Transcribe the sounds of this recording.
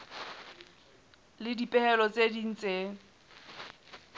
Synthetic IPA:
lɪdipʼɛhɛlɔt͡sʼedin̩t͡sʼe

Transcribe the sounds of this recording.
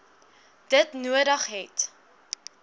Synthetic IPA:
d̥ətnuəɾəχɦɛt

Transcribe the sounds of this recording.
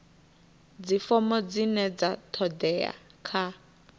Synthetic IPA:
d͡zifɔmɔd͡zinɛd͡zatʰɔdɛa̰kʰa

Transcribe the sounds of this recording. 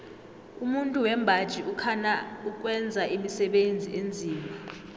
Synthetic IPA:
umuntʼuwɛmbʱad̥ʒ̥ʱiʔukʰanauk̬ʼwɛnd͡zʱaʔimisɛɓend͡zʱiʔend͡zʱiːma

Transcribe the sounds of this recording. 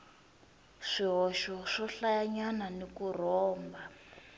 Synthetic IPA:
ʂiɦɔʃɔʂɔɬajaɲananikur̤ɔːmba

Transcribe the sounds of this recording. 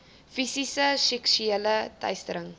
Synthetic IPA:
fisisəsɛksyelətɐ̰jstəɾəŋ

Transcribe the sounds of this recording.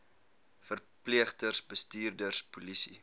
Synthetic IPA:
fər | pliəχtərsbəstiːrdərspulisi

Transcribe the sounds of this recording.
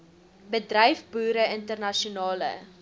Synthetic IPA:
bədrɛjfbuːɾəəntərnɐʃiunɑːlə̰

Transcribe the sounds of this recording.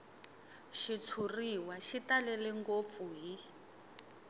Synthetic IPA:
ʃit͡sʰuriwaʃitalɛlɛŋɡop̪fuɦi

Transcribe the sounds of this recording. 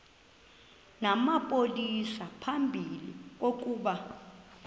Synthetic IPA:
namapʼolisapʰambʱilḭk̬ok̬ʼuɓa

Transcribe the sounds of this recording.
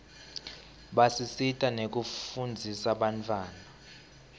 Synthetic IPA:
ɓasisitʼanek̬ufund͡zʱisaɓant͡fʰʼwaːna

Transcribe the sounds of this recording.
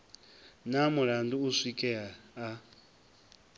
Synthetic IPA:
namuɺanduusikʼɛaa

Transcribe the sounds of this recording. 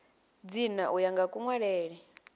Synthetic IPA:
d͡zinaʔujaŋɡakʼuŋwaɺɛːɺɛ

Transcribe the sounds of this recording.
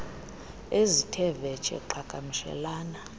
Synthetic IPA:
ezitʰɛvɛ̥t͡ʃʼɛ̰ǃʰaɡ̥ʱʼamiʃɛ̰laːna

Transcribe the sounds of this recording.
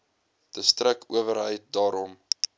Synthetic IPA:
təstrəkʰuəvəɾɦəjt̚dɑːɾɔm

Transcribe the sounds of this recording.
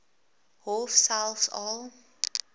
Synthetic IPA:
hɔfsælˠfsɔlˠ

